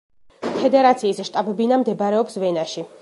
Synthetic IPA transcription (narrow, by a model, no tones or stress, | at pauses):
pʰɛd̪ɛɾat̪sʰiːsʃt̪ʼabɛbinamd̪ɛbɾɛɔpsvɛnaʃi